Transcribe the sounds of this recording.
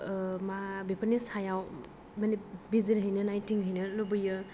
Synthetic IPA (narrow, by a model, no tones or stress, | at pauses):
mabipʰanisajaw | manebiziɾɦəjnɯnajtiŋɦɯjnɯlubɯjɯ